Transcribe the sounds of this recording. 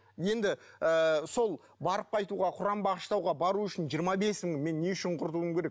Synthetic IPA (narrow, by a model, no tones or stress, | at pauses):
je̞nd̪ɪəso̞lˠ | bɑɾəp̚qʰɑjt̪uʁɑqʰʊɾɑmbɑʁəʃt̪ɑwʁɑbɑɾuʏʃɪnʒijəɾmɑbe̞smɪŋme̞nːe̞ʏʃɪɴqʰʊɾt̪uwəmkʲʰe̞ɾe̞k̚